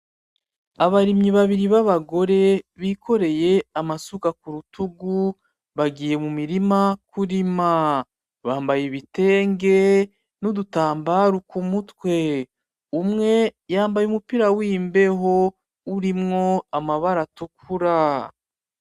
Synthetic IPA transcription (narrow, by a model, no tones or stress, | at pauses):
aβaɾimɲiβaβiɾiβaβaɡo̞ɾe̞βiːkʰo̞ɾe̞je̞amasukakuɾutuɡu | βaɡiːje̞mumiɾimakuɾima | βaːmbajeβite̞ːŋɡe̞ | nudutaːmbaɾukumutwe̞ | umŋe̞jaːmbajeumupiɾawiːmbe̞ɦo̞ | uɾimŋo̞amaβaɾatuk̚ʰuɾa